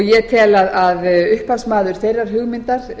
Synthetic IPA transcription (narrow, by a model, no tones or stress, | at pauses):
jɛt̪ʰɛːlaðaðʏhpasmaːðʏɾ̥θejrːaɾ̥ɦʏɣmɪnt̪aɾ̥